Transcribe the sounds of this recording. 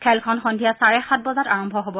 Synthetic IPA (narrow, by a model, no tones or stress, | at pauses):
kʰɛlkʰɔnxɔndʱijasaɹɛxat̚bɔzataɹɔmbʱɔɦobɔ